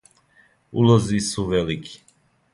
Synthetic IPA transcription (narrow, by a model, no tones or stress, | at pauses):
ṵlˠɔzisuvɛlikʰi̥